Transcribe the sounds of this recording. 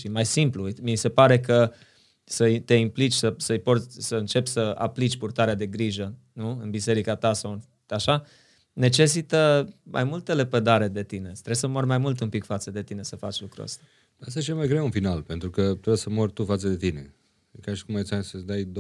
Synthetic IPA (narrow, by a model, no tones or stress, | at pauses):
ʃimajsimplumise̞paɾe̞kə | səit̪e̞implit͡ʃʲsəsəɨjporsʲsəɨnt͡ʃe̞pʲsəa̰plit͡ʃʲpurt̪aɾead̪e̞ɡɾiʒə | nuɨnbise̞ɾikat̪asawɨn | aʃa | ne̞t͡ʃe̞s̬it̪əmʔa̰jmult̪elepəd̪aɾe̞d̪e̞t̪ine̞t̪ɾesəmo̞rmajmult̪umpikfat̪səd̪e̞t̪ine̞səfat͡ʃʲlukɾṵə̰st̪a | əst̪ajet͡ʃelmajɡɾewunfinalpe̞nt̪ɾukət̪ɾesəmorʲt̪ufat̪səd̪e̞t̪ine̞̰ | kaʃi̥kumajit̪sʲasəd̪ajd̪